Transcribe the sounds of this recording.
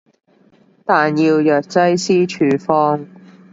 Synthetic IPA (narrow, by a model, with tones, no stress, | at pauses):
t̪aː˨njiː˧wjœː˨k̚t͡sɐ˥jsiː˥t͡ʃʰyː˨˧fɔː˥ŋ